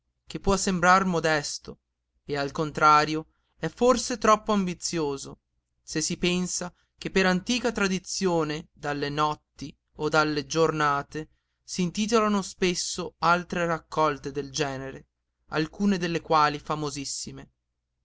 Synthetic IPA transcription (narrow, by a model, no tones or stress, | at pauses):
k̟epːwɔsːembɾarmod̪ɛst̪o | ealkont̪ɾaːɾjo | ɛfːorset̪ɾɔpːoambit̪sːjoːzo | sesːipɛnsa | k̟epːeɾant̪iːkat̪ɾad̪it̪sːjoːned̪alːenɔt̪ːi | od̪alːed͡ʒornaːt̪e | siːnt̪iːt̪̬olanospesːoalt̪ɾerakːɔlt̪ed̪eld͡ʒɛːneɾe | a̰lkuːned̪elːekwaːlifamozisːime